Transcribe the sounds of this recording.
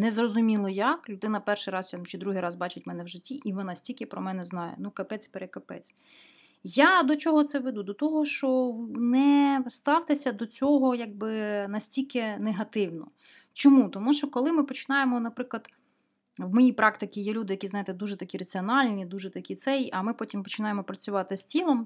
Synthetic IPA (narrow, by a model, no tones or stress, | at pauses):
nɛzrɔzʊmʲilˠɔjaklʲʊd̪ɪnɐpɛrʃɪjɾɑst͡ʃt͡ʃɪd̪ɾuɦɪjɾɑzbɑt͡ʃɪtʲmɛnɛwʒɪtʲːiʔiʋɔnɑsʲtʲilʲkɪpɾɔmɛnɛznɑjɛ̰nukɐpɛt͡sʲpeɾekɐpɛ̰t͡sʲ | jad̪ɔt͡ʃɔɦɔt̪sɛʋed̪ud̪ɔt̪ɔɦɔʃt͡ʃɔnɛst̪ɑwt̪ɪsʲɐd̪ɔt͡sʲɔɦɔjaɡ̚bɪnɐsʲtʲilʲkeneɦɐt̪ɪwnɔ̰ | t͡ʃɔmut̪ɔmuʃt͡ʃɔkɔlˠɪmɪpɔt͡ʃɪ̥nɑjemɔnɐpɾɪklˠɐd̪ | ʋmɔjijpɾɑkt̪ɪkʲijɛlʲud̪ɪjɐkʲizɑjɪt̪ɛd̪uʒɛt̪ɐkʲiɾɐt͡sʲiɔnɑlʲnʲid̪uʒɛt̪ɐkʲit̪sɛjiʔɐmɪpɔtʲimpɔt͡ʃɪnɑjemɔpɾɐt͡sʲʊʋɑt̪ɪsʲtʲilˠɔm